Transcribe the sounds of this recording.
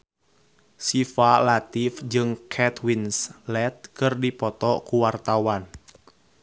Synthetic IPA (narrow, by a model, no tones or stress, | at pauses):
sifalat̪ifd͡ʒɨŋkʰɛt̪winslɛt̪̚kɨrdipɔt̪ɔkuwart̪awan